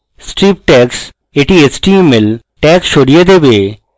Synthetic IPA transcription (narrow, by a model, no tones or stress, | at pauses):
sʈɾiːp̚ʈɛːks | eːʈiesʈiemːɪl | ʈɛːkst͡ʃʰoɽijed̪eːbeː